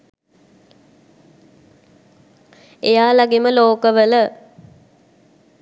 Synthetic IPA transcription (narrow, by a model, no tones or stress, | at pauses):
ejaːlaɡiməloːkəʋələ